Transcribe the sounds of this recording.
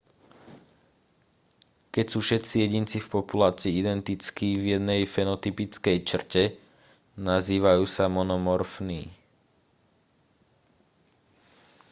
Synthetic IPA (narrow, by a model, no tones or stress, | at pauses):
kɛcsuːfʃɛt͡sijɛɟint͡sifpɔpulaːt͡siːid̪ɛnt̪it͡skiːvjɛd̪nɛjfɛnɔt̪ipit͡skɛjt͡ʃr̩cɛ | naziːʋajuːsamɔnɔmɔɾfnḭː